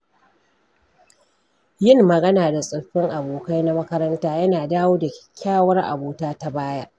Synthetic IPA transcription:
jɪ˦mːɐ˨ɡɐ˦naː˨da˨sʼɐ˨ɸɪ˦ŋʔa˨boː˨ka˦jna˦mɐ˦kɐ˦ɾɐ˦ntaː˦jɐ˦naː˨daː˦woː˦dḁ˨˦˨kʲʰaː˦wɐ˦rʔa̰˨boː˨taː˦ta˦baː˦ja˦ʔ

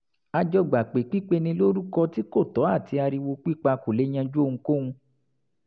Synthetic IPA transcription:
a˧d͡ʒɔ˧ɡ͡ba˨k͡pe˨k͡pi˦k͡pe˦˧nĩ˧lo˦ɾu˦kɔ˧ti˦ko˦˨tɔ˨˦a˦˨ti˧a˧ɾi˧wo˧k͡pi˦˨k͡pa˧ko˨le˨˦ɲ̃ã˧d͡ʒo˦˧ũ˧ko˦ũ˧

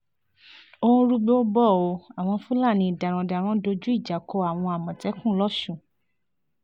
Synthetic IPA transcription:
o˧ũ˧ɾu˧ɡ͡be˦o˦bɔ˦˨o˨˧a˨w̃ɔ̃˧fũ˦la˦˨nĩ˧i˨da˨ɾ̃ɔ̃˨da˨ɾ̃ɔ̃˦do˧d͡ʒu˦i˦˨d͡ʒa˨ko˧˦a˨w̃ɔ̃˧a˨mɔ̃˨tɛ˨˦kũ˦lɔ˦ʃũ˦˨

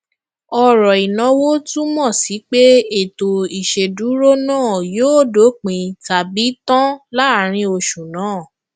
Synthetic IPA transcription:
ɔ˧ɾɔ˨i˨nɔ̃˧wo˦tũ˦mɔ̃˦˨si˨˦k͡pe˦e˦˨to˨i˨ʃe˨du˨˦ɾo˦nãː˦˨joː˦˨do˨˦k͡pĩ˨ta˨bi˨˦tɔ̃˦la˦˨ɾ̃ĩ˧o˧ʃũ˨nãː˨˦˨

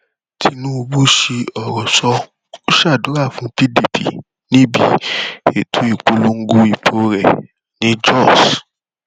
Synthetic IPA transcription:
tʰi˧nũ˦o˧bu˦ʃe˧ɔ˨ɾɔ˨sɔ˧ | o˦ʃa˦˨do˨˦ɾa˦˨fũ˨˦pi˦di˨pḭ˨ | nĩ˦bi˦˨e˨tʰu˨˦i˦˨k͡po˧lo˧ŋ̩˦ɡo˧i˨pʰo˨ɾɛ˦˨ | nĩ˦d͡ʒɔ˦˨s

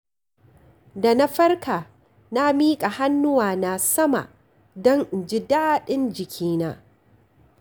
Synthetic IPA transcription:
da˨na˦ɸɐ˦rkʰa˨ | na˦miː˦kʼa˨ha˦nːʊ˦waː˨na˨sɐ˦ma̰˨ʔ | dɔ˦ŋ˨d͡ʒɪ˦daː˦˨ɗɪ˦nd͡ʒɪ˨kʲʰiː˦naː˦

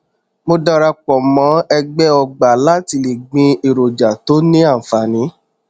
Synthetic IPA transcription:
mo˧da˧ɾa˧k͡pɔ˨mɔ̃˨˦ɛ˧ɡ͡bɛ˦ɔ˧ɡ͡ba˨la˦ti˧˦le˨ɡ͡bĩ˧e˨ɾo˨d͡ʒa˨to˨˦nĩ˦a˦˨fa˨nĩ˨˦

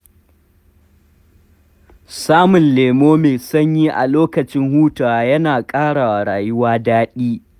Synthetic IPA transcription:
saː˦mʊ˨nleː˨moː˦meː˨sɐ˦ɲji˦ʔa̰˨loː˦kɐ˨t͡ʃɪ˦ŋhuː˦taː˨jɐ˦naː˨kʼaː˦ɽa˨ɽaː˨jʊ˦waː˦daː˦ɗiː˦

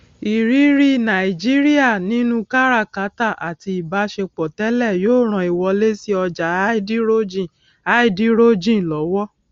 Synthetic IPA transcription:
i˨ɾi˨˦ɾi˦nã˨i˨d͡ʒi˦ɾi˦a˦˨nĩ˨˦nũ˦ka˦ɾa˦˨ka˨˦ta˦˨ʔa˨ti˧i˨ba˨˦ʃe˧k͡pɔ˨tɛ˨˦lɛ˦˨joː˦˨ɾ̃ã˧i˨wɔ˧le˦si˦ɔ˧d͡ʒa˨˦di˦ɾo˦d͡ʒi˦˨ | a˦i˦˨di˦ɾo˦d͡ʒĩ˦˨lɔ˨˦wɔ˦

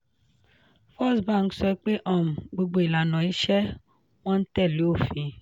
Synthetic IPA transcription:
fɔ˦sba˦˨ŋ̩˦˨sɔ˧˦k͡pe˦ʔɔ˦˨m̩˨ɡ͡bo˧ɡ͡bo˦i˨la˨nɔ̃˨i˨˦ʃɛ˦ | wɔ̃˦n̩˦tɛ˦˨lo˨˦o˦˨fĩ˨˧

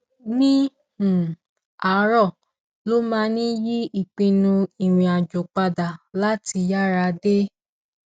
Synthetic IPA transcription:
nĩ˦ | h̩˨ | a˨˦ɾɔ˦˨ | lo˦mã˦nĩ˦ji˦i˦˨k͡pĩ˧nũ˧i˨ɾ̃ĩ˨˧a˨d͡ʒo˨k͡pa˧da˨la˦ti˧ja˦ɾa˧de˦

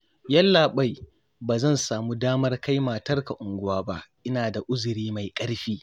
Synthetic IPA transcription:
jɐ˦lːaː˨ɓa˦˨j | baː˨zɐ˦˨nsaː˨muː˦daː˦mɐ˦rka˦jmaː˨tɐ˦rka˨ʔʊ˨ŋɡʷʊ˦waː˦ba˦ʔʔɪ˦naː˨da˨ʔʊ˦zʊ˨ɽiː˦ma˨jkʼɐ˦ɽɸiː˦

